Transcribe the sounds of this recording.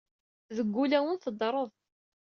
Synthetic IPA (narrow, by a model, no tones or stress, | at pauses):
ðəɡʷːulæwənθəd̪ˤɾˤəðˤ